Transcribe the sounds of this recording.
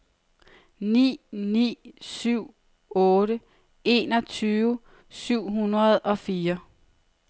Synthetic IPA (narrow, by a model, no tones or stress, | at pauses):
nḭːnḭːsyʊ̰ | ɔːɾə | e̝̰nɒ̽t͡sʰyːʋə | syʊ̰ɦunɐð̞ˠɒ̽fiːɐ